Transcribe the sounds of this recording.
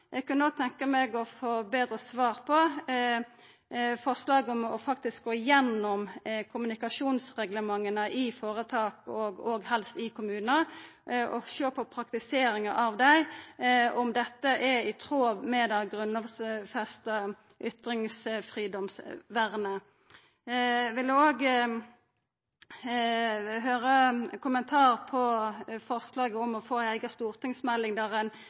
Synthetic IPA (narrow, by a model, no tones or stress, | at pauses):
jʔɛɡkʰɑnoːɡ̚t̪ʰɛŋkəmɛɡɔfoːbeːd̪ɾəsʋɑːʁpʰɔ | fɔʁslɑːɡɔmɔ̰fɑk̚t̪ɪsk̚ɡoːɪjɛnːɔmkʰʊmʉnɪkɑʂuːnsʁɛɡləmɑŋːənəʔɪfoːʁət̪ʰɑːkɔɡɔːɡhɛlst̪ɪkʰʊmʉːnə | ɔʃøːpʰɔpʰɾɑk̚t̪ɪseːɾɪŋəʔɑʋd̪æɪ | ɔmd̪ɛt̪ːəʔɛɪt̪ʰʁoːʋmɛd̪ɑɡʁʉnɔʋsfɛst̪ə | ʔʏt̪ɾɪŋsfʁiːd̪ɔmsʋæʁnə | ʋɪld̪ʉoːɡ | ɦøːʁəkʰʊmənt̪ʰɑːʁpʰɔfɔʁslɑːɡəɔmɔfoːæɪɡɑst̪uːʁt̪ʰɪŋsmɛlːɪŋd̪æʁɛn